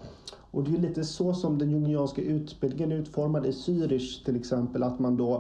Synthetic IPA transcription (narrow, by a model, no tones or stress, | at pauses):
ɔd̪ɛæɭiːt̪əsɔsɔmd̪ɛnjɵnɪɑːnskaʔʉ̟ːt̪bɪld̪ɪŋənɾʉ̟ːt̪fɔɾmad̪ɪsyːɾɪʂt̪ʰɪlɛksɛmpəlat̪mand̪ɔ